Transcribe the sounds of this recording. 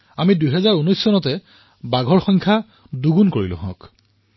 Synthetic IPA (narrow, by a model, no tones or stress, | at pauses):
amidujɦɛzaɹunɔjsːɔnɔtɛ | baɡʱɔɹxɔjŋkʰa | duɡunkoɹḭlʊ̰̃ɦɔ̰̃k